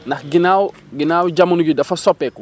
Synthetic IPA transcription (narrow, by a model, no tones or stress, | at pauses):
nɐxɡinaːw | ɡinaːwɟamɐnuɡidɐfɐsɔpːɛkɔ